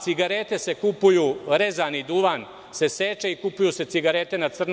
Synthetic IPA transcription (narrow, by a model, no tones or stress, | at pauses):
siɡaɾet̪esekupujuːɾezanid̪uʋan | se̞seːt͡ʃeikupujuse̞t̪iɡaɾet̪e̞nat̪sr̩n